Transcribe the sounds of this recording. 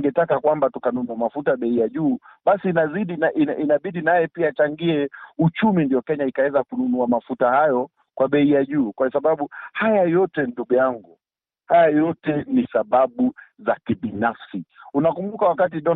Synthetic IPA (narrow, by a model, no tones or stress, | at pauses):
ŋɡɛtakakwambatukanunuamafutaɓɛijaʄuːɓasiːnaziɗinaʔinʔinaɓiɗinajɛpiaːt͡ʃaŋɡiɛut͡ʃumindiɔkɛɲaikawɛzakununuamafutahajɔ | kwaɓɛijaʄuːkwasaɓaɓuhajajɔtɛnduɡujaŋɡu | hajajɔtɛnisaɓaɓuzakiɓinafsiunakumbukawakat̬iɗɔ